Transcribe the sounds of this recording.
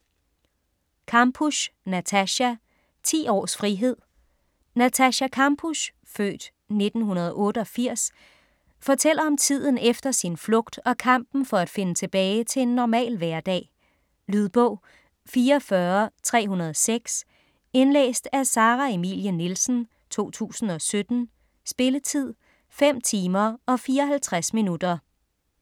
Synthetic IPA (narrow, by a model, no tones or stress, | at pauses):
kʰɑ̈mbʰuɕnæt͡sʰæɕæ | t͡sʰḭːɒ̰ːsfʁiɦe̝ð̰ˠ | næt͡sʰæɕækʰɑmb̥ʰuɕ | fø̰ːd̥ | ne̝d̥n̩ɦunɐð̞ˠʔɔ̽ːɾəɒ̽fiɐ̰s | fɒ̽t͡sʰel̰ɐɒ̽mt͡sʰið̞̰ˠn̩efd̥ɐsinflɔ̽ɡ̥d̥ɒ̽kʰɑ̈m̰b̥n̩fɒ̽æd̥fe̝nət͡sʰe̝b̥ɛːɪt͡sʰe̝e̝nːɒmɛ̰ːlʋæɐd̥ɛ̰ː | lyð̞ˠb̥ɔʊ̰ | fiːɐːfɶːɐt͡sʰʁɛ̰ːɦunɐðˠɒseɡ̥s | e̝nlḛːsd̥æsɑ̈ːʁɑe̝mḭljənilsn̩ | t͡sʰo̝̰ːt͡sʰṵːsn̩ɒ̽sød̥n̩ | sb̥e̝lət͡sʰið̞̰ˠ | fem̰t͡sʰiːmɐɒ̽fiːɐɒ̽ɦælt͡sʰʁasminud̥ɐ